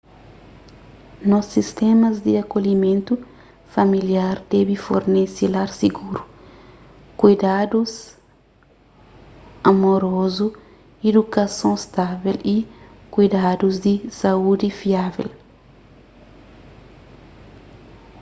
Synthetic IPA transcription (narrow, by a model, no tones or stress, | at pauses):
nɔsist̪ɛmɐzd̪iɐkolimẽnt̪u | fɐmiljaɾd̪̥ɛbifo̰ɾnesilaɾsiɡuɾu | kujd̪ad̪us | amoɾozu | ed̪ukɐsõst̪avelikujd̪ad̪uzd̪isɐud̪ifiavḛl